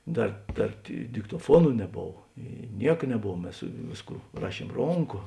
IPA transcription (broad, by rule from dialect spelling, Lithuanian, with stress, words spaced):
ˈdɐr ˈdɐr dʲɪ dʲɪktoːˈfuɔnʊ nʲɛˈboːw ˈiː ˈnʲiɛk nʲɛˈboːw ˈmʲɛs ˈʋʲeːsˌkuː ˈrɑːˌʃʲiɛm ˈroːŋˌkoː